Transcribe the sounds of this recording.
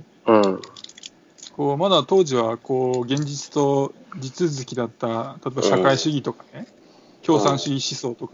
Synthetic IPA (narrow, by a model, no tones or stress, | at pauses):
ɯ̃ | ko̞ːmad̪at̪o̞ːʑiβako̞ːɡẽ̞ɲ̟d͡ʑit͡sɨ̥t̪o̞d͡ʑit͡sɨzɨkʲid̪at̪ːat̪at̪obaɕakaiɕɨɡʲit̪o̞kane | kʲo̞ːsãɰ̃ɕiɡʲiɕiso̞ːt̪o̞ka